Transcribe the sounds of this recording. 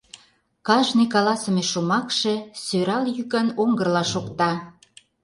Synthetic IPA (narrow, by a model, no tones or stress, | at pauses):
kɑʒnekɑlɑsə̆meʃomɑkʃesøɾɑljykɑnoŋɡərlɑʃokt̪ɑ